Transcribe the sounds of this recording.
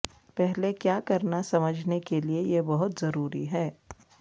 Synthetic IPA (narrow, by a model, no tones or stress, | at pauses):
pɛɦlekjaːkɐɾnasɐməd͡ʒʱnekeliejebɐɦʊt̪zɐɾuːɾḭɦɛː